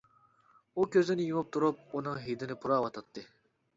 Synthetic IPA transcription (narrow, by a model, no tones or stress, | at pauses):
ukʲʰøzɪnɪjumup̚t̪ʰuɾup̚unɨŋɦijd̪ɪnɪpʰuɾɑːwɑt̪ʰɑt̪ːɨ